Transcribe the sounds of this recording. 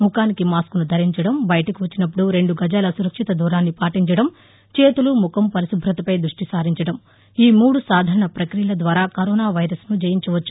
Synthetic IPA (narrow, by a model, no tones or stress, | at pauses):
mukaːnikimaːskunud̪ʱɐɾiɲt͡ʃɐɽɐmbɐjɐʈɐkiʋɐt͡ʃːinɐp̬ːuɽuɾe̞ɳɖuɡɐd͡ʒaːlɐsuɾɐkʂit̪ɐd̪ʱuːɾaːnːipaːʈiɲt͡ʃɐɽɐm | t͡ʃeːt̪ulumukʰɐmpɐɾisubʱɾɐt̪ɐpɐjd̪ɾuʂʈisaːɾiɲt͡ʃɐɽɐm | iːmuːɽusaːd̪ʱaːɾɐɳɐpɾɐkɾijɐlɐd̪ʋaːɾaːkɐɾɔːnaːʋɐjɾɐsnud͡ʒɐjiɲt͡ʃuʋɐt͡ʃːu̥